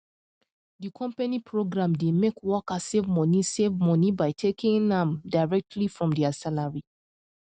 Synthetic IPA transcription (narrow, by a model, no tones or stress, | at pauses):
dikʰɔ̃mpanipʰɹoɡɹãmdemekʰwɔkasevmɔnisevmɔnibaɪtʰekĩŋãmdaɪɹɛk̚tʰlifɹɔ̃mdiasalaɹi